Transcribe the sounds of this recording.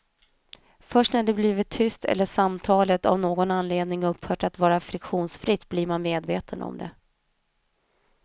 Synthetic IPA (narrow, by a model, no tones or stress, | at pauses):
fœʂʈnæɖɛbliːvɪt̪ʰːʏst̪ʰɛ̰lːəʂamt̪ʰɑːlət̪a̰vnoːɡɔnanleːd̪nɪŋɵpːhœːʈat̪vɑːɾafɾɪkɧuːnsfɾɪt̪ːbliɾmanmeːd̪veːt̪ʰənɔ̰md̪ɛ̰